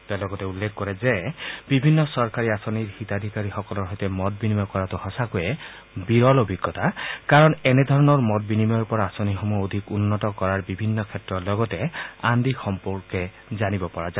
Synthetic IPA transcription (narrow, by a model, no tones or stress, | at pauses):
t̪ɔalɔɡɔtɛulːekʰkɔɹɛzɛbibʱinːɔsɔɹkaɹiasɔniɹxit̪ad̪ʱikaɾixɔkɔlɔɹɦɔjtɛmɔt̚binimɔkɔɹat̪uhɔsakujɛ | biɹɔlobʱiɡːɔt̪akaɹɔnenɛd̪ʱɔɹɔnɔɹmɔt̚binimɔjɔɹpɔɹaasonixomuod̪ʱikunːɔtɔkɔɹaɹbibʱinːɔkʰɛtɹɔlɔɡɔtɛand̪ixɔmpɔɹkɛ | zanibɔpɔɹaza